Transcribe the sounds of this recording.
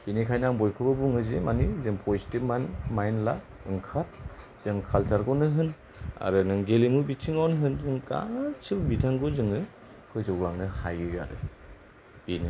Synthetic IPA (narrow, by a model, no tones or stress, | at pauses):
b̥inikʰajnaŋbɔjkʰɯbɯbuŋɯzemanizɯŋpʰozitip̚manmajnla | ɯŋkʰaɾ | z̥ɯŋkʰalsʰaɾɡɔnɯɦɯn | a̰ɾɯnɯŋɡeliŋubitʰiŋawnɦɯnzɯŋka̰sɯbbitʰaŋɡɯzɯŋɯ | kʰɯjzɔɡlaŋnɯhajɯja̰ɾɯ̰ | b̥ini